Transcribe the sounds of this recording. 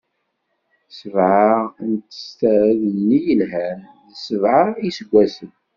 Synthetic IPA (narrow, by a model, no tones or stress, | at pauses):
səvʕaʁənt̪ə̥st̪æɾðənːijəlɦænðəsəvʕaisəɡʷːæsən